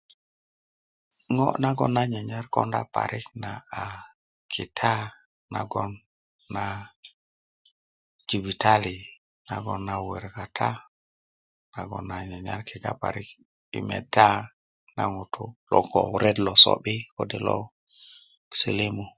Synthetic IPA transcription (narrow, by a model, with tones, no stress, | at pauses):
ŋɔ̰˦na˦ɡɔ˦nːa˦ɲa˨ɲa˦ɾkɔ˦nda̰˦pa̰˨ɾʔi˦knaː˨ | kʰi˨tʰa˦ | na˨ɡɔ˦nː | a˨ | d͡ʒi˨vi˨tʰa˦li˨ | na˨ɡɔ˦nːa˨we˨ɾka˨tʰa˦ | na˨ɡɔ̰˨nːa˨ɲa˨ɲa˦ɾkʰi˨ɡa̰˦pa̰˨ɾi˦k | ḭ˨mɛ̰˨da˦ | na˨ŋu˨tʰu˦lɔ˨kɔ˨ɾɛ˦dlɔ˨so̰˨ɓi˦ko˦de˨lɔ̰˦ | sḛ˨le˦mu˨